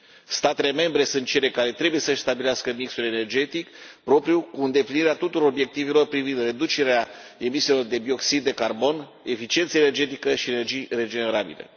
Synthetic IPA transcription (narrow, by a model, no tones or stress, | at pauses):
st̪at̪e̞le̞me̞mbɾe̞sunt̪̚t͡ʃe̞le̞kaɾe̞t̪ɾe̞buje̞səʃʲst̪abileaskəmiksule̞ne̞rd͡ʒe̞t̪ikpɾo̞pɾjukuɨnd̪e̞pliniɾeat̪ut̪uɾo̞robje̞k̚t̪ive̞lo̞rpɾivind̪re̞d̪ut͡ʃe̞ɾeae̞miselo̞rd̪e̞bio̞ksid̪̚ːe̞karbo̞n | e̞fit͡ʃient̪səene̞rd͡ʒe̞t̪ikəʃie̞ne̞rd͡ʒijre̞d͡ʒe̞ne̞ɾabḭlḛ